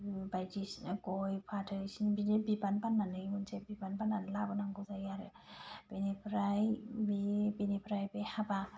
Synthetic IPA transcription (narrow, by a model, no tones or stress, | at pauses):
bajtisɡɔjpʰatʰɯisinbinebibanpanːanɯjunsebibanpanːanlabɯnaŋɡɯzajaɾɯ | b̥enepʰɾajbibenipʰɾajbehaba